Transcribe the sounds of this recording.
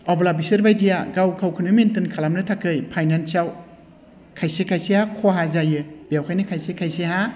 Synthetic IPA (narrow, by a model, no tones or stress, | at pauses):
ɔblabisɯɾbajdijaɡawkʰawkʰɯnɯmentɯnkʰalamnɯtʰakʰɯjpʰajnansaw | kʰajsekʰajsehakʰoɦazajɯbijawkʰajnɯkʰajsekʰajseha